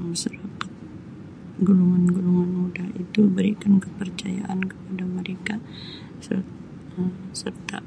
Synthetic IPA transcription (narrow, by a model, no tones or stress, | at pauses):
məsuɾakat̪̚ | ɡuluŋanɡuluŋanmudahit̪ubəɾikankəpərt͡ʃaja̰ʔankə̥padaməɾeka | sər | əsərt̪a̰